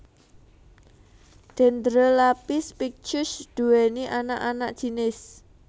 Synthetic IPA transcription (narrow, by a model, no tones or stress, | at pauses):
d̥ɛ̤nd̪ɾəlapispik̚t͡ʃʊsd̪̥ṳwɛniʔanaʔanaʔd̥ʒ̥i̤nɪs